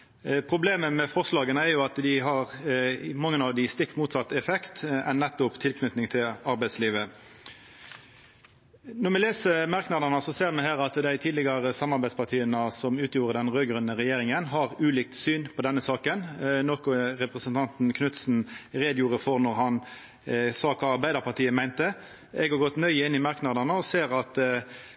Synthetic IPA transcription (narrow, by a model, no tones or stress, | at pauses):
pʰʁʊbleːməmɛfɔʁslɑːɡənəæʁjʊɑt̪d̪ɪɦɑʁmɑŋːənɑʋd̪ɪst̪ɪkːmuːt̪sɑt̪ːɛfɛkt̪ɛnːɛt̪ːʊpt̪ʰɪlkʰnʉt̪nɪŋt̪ʰɪlɑɾbæɪsliːʋə | nɔʁmɛleːsəmɑʁknɑd̪ɑnəsɔseːʁmɛhæːʁɑt̪d̪æɪt̪ʰiːd̪lɪɡɑʁəsɑmɑʁbæɪspʰɑʁt̪ʰiːənəsɔmʉːt̪ʰjuːɾəd̪ɛnʁøːɡʁʉnːəʁɛjeːʁɪŋənɦɑʁʉːliːk̚t̪syːnpʰɔd̪ɛnːəsɑːkənnɔkʊɾɛpɾɛsənt̪ʰɑnt̪n̩kʰnʉt̪sn̩ʁeːd̪juːʁəfɔʁnɔʁɦɑn | sɑːkʰɑːɑɾbæɪd̪əɾpɑʁt̪iːəmæɪnt̪ə | ɛɡhɑɾɡɔt̪nœʏəɪnːɪmɑʁknɑd̪ɑnəɔseːʁɑt̪